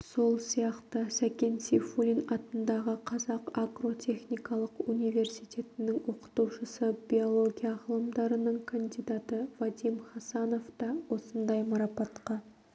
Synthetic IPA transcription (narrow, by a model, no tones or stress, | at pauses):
so̞lˠsijɑqt̪əsækʲe̞nsifulʲinɑt̪ənd̪ɑʁəqʰɑzɑqaɡro̞t̪ʲʰe̞χnijkɑlˠəqunijve̞ɾsijt̪e̞t̪ɪnɪŋwo̞qə̥t̪uwʃəsəbʲio̞lˠo̞ɡʲijɑʁəlˠəmd̪ɑɾənəɴkʰand̪ijd̪at̪əvad̪imχɑsɑno̞ft̪ɑwo̞sənd̪ɑjmɑɾɑpɑt̪qɑ